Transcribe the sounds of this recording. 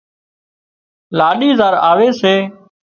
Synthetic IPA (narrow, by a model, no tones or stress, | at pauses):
laːɗiːzaːɾaːʋeːseː